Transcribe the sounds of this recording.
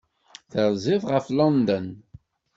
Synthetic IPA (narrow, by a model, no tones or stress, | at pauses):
θəɾzɪðʁəflɔnd̪ən